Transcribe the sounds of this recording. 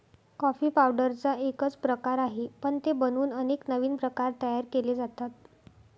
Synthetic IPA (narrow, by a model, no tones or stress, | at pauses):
kɔfiːpawɖəɾt͡saʔekət͡spɾəkaɾaɦepəɳt̪ebənuːnəneknəʋiːnpɾəkaɾt̪əjaɾkeled͡zat̪at̪̚